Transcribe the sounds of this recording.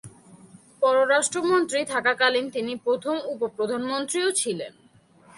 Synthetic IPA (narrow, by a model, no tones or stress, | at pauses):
pɔɾoɾaʃʈɾomont̪ɾit̪ʰakakalint̪inipɾot̪ʰomupopɾod̪ʱanmont̪ɾiot͡ɕʰilḛn